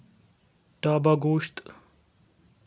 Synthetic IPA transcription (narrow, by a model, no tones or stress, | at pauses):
ʈaːbaɡuːɕt̪